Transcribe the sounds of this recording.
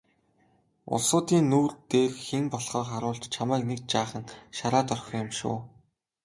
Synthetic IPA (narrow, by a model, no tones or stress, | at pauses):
ʊ̰ɮsʊːt̪iːnːuːrt̪eːrxeŋpɔɮχɔːχaɾʊːɮt͡ɕt͡ɕʰamæːknek̚t͡ɕaːχə̆nʃaɾaːt̪œrxʲɞ̆ːjʊ̆mʃʊ̰ː